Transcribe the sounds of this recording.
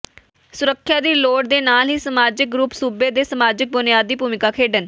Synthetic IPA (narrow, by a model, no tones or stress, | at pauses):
sʊɾəkʰːjaːd̪iːloːɽd̪eːnaːlɦiːsəmaːd͡ʒɪk̚ɡɾʊpsuːbeːd̪eːsəmaːd͡ʒɪk̚bʊnɪjaːd̪ːiːpuːmɪkaːkʰeːɖən